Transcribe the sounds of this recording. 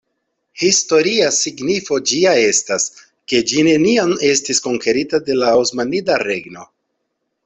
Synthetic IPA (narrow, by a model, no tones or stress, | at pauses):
histo̞ɾiasiɡnifo̞d͡ʒiae̞stas | ke̞d͡ʒine̞niane̞stisko̞ŋke̞ɾitade̞laosmanidaɾe̞ɡno̞